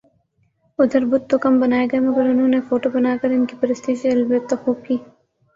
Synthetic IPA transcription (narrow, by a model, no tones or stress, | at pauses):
ʊd̪ʱəɾbʊd̪̚t̪okɐmbɐnaːeɡɐemɐɡəɾʊnɦõːnefoːʈobɐnaːkɐɾɪnkipɐɾɪst̪iːʃeɐlbet̪ːɐxoːb̚kiː